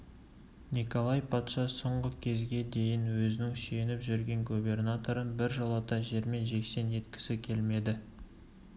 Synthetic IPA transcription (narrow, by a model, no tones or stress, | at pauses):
niko̞lˠɑjpʰɑt̪ʃɑsoɴʁəkʲʰe̞zɡʲe̞d̪e̞jɪnwɵzɪnɪŋsenɪpʒʏɾɡʲe̞ŋɡube̞rnat̪o̞ɾənbɪɾʒəlˠɑt̪ɑʒe̞ɾme̞nʒe̞kse̞ne̞t̪̚kʲɪ̥sɪkʲʰe̞lme̞d̪ɪ